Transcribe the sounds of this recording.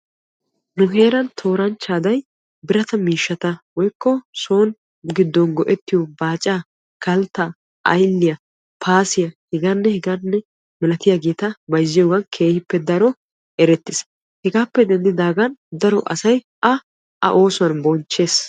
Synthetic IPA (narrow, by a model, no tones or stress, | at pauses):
nʊɦe̞ːɾɐnt̪ʰo̞ːɾɐnt͡ʃːaːd̪ɐj | bɪɾɐt̪ɐmiːʃːɐt̪ɐwɔjkːɔso̞ːn | ɡɪd̪ːɔnɡɔʔɛt̪ːɪjɔbaːt͡ʃʼaː | kɐlt̪ːaː | ʔɐ̰jlːɪjɐ | pʰaːsɪjɐhɛɡanːɛhɛɡanːɛ | mɪlɐt̪ɪjaɡeːt̪ɐbɐjzːɪjoːɡɐnkʰe̞ːhɪpːɛd̪ɐɾɔ | ɛɾɛt̪ːɪs | hɛɡaːpːɛd̪ɛnd̪ɪd̪aːɡɐnd̪ɐɾɔʔɐsɐj | ʔɐ | ɐ̰ʔo̞ːsʊɐnbɔnt͡ʃːe̞ːs